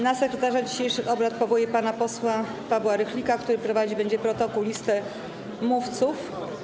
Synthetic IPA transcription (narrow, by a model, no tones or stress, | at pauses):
nasɛkɾɛt̪aʐad͡ʑiɕejʂɘxɔbɾat̪̚pɔvɔjɛpanapɔswa | pabwaɾɛxlʲikakt̪uɾɘpɾɔvad͡ʑibɛɲd͡ʑɛpɾɔt̪ɔkuwlʲist̪ɛ | muft̪suf